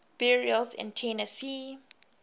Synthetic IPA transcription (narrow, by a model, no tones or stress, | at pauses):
b̥ɛɹiəlzɪ̰̃ntʰɛnəsi